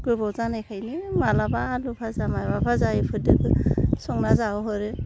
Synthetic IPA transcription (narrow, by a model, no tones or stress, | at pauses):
ɡ̥ɯbɔwzanajkʰajnimalabaːlupʰazamajbapʰazajipʰɯdɯkɯsɔŋnazawɦɔɾɯ